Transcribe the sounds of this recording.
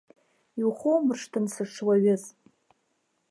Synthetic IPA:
iwχʷowmɨrʂtʰɨnsɨʈ͡ʂʰwaɥɪz

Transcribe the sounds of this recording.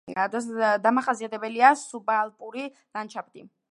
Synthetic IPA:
d̪ad̪amaχasiat̪ʰɛbɛliasubalˠpʼuɾi | lant͡ʃʰab̚d̪i

